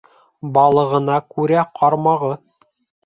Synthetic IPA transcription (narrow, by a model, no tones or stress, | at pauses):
bɑlˠɤ̆ʁɤ̆nɑkʉɾæqʰɑɾmɑʁɤ